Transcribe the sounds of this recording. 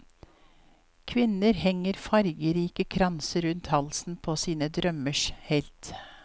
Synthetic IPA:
kʰʋɪnəɾhɛŋəɾfɑɾɡəɾiːkəkʰɾɑnsəɾʉnt̪hɑlsn̩pʰoːsiːnəd̪ɾœməʂhɛlt̪

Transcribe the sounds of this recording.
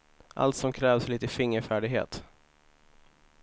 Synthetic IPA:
ʔa̰lt̪sɔmkʰɾɛːvsliːt̪əfɪŋːəɾfæːɖɪɡɦḛːt̪

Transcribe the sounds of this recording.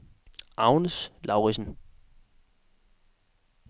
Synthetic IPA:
ʔɑʊnəslɑ̈ʊʁisn̩

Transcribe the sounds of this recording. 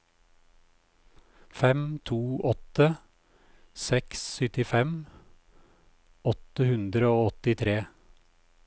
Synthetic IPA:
fɛmt̪ʰuːʔɔt̪ə | sɛkssʏt̪ɪfɛm | ɔt̪əhʉnd̪ɾəoːɔt̪ɪt̪ʰɾeː

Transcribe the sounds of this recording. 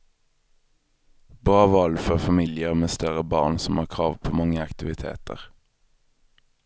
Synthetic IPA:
b̥ʁɑːʋɑlføʁfɑmiːlɪəʁmeːst̪œʁəbɑ̰ːʁnsɔm̩hɑːʁkʰʁɑːʋpʰoːmɑŋəɑkt̪ɪʋɪt̪ʰḛːt̪ə̰ʁ

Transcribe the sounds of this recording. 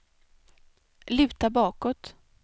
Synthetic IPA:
lʉ̟ːt̪abɑːkɔt̪

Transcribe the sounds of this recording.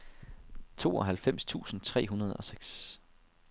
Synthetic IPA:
t͡sʰo̝̰ːɒ̽ɦælfem̰st͡sʰṵːsn̩t͡sʰʁɛ̰ːɦunɐð̞ˠɒ̽seɡ̥s

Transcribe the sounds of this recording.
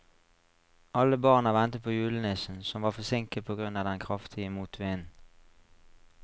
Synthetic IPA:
ʔɑləbɑʁnɑʋɛnt̪əpʰoːjʉːlənɪsn̩sɔmʋɑːʁfɔʁsɪŋkəpʰoːɡʁʉnɑːʋd̪ɛnkʰʁɑft̪ʰɪəmuːt̪ʰʋɪːn

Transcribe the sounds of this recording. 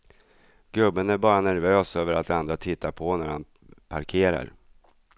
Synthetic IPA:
ɡɵbːənæɾbɑːɾanæɾvøːsøːvəɾat̪̚d̪and̪ɾat̪ʰɪt̪ʰːapʰɔnæɾhan | pʰaɾkʰeːɾa̰ɾ

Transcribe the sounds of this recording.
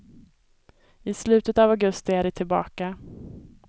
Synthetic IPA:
ɪslʉ̟ːt̪ət̪avaɡɵst̪ɪæɖɪʈ̪ʰɪlbɑ̰ːka

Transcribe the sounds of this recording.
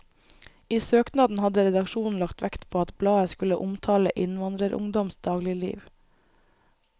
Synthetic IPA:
iːsøːknɑd̪n̩hɑd̪əɾɛd̪ɑkʃuːn̩lɑkt̪ʰʋækt̪pʰoːɑt̪blɑːəskʉləʔʊmt̪ʰɑːləʔɪnʋɑnd̪ɾəɾʔʊ̰ŋd̪ɔmsd̪ɑːɡlɪlḭːʋ

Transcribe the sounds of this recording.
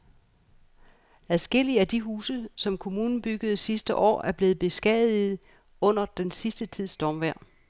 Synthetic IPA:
æðˠsɡ̥e̝l̰iəæd̥iɦuːsəsɒ̽mkʰo̝muːnn̩b̥yɡ̥əð̞̩ˠsisd̥əʔɒ̰ːæɐb̥le̝ːð̩ˠb̥e̝sɡ̥ɛðˠið̩ˠ | ɔ̽n̰ɐd̥ensisd̥ət͡sʰið̰ˠsd̥ɒmʋæɐ̰

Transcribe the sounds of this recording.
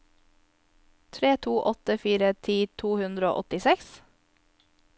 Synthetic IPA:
t̪ʰɾeːt̪ʰuːʔɔt̪əfiːɾət̪ʰiːt̪ʰuːhʉnd̪ɾəo̰ːʔɔt̪ɪsɛks

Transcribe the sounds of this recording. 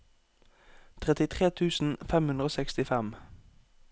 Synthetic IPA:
t̪ʰʁɛt̪ɪt̪ʰʁeːt̪ʰʉːsn̩fɛmʉnʁoːsɛkst̪ɪfɛm

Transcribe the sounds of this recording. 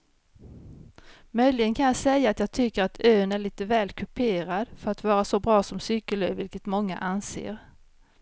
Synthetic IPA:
mœjlɪɡənkʰanjɑːsɛjːaːt̪jɑːɡt̪ʰʏkːəɾat̪ʰøːnæɭiːt̪əvɛːlkʰɵpʰeːɾad̪fœɾat̪vɑːɾasɔbɾɑːsɔmsyːkəløːvɪlkət̪mɔŋːa̰ʔansḛːɾ

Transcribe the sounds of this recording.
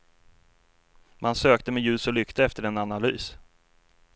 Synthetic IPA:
mʔansøːk̚t̪əmɛjʉ̟ːsɔlʏkt̪ʰəɛft̪əɾɛnanalyːs

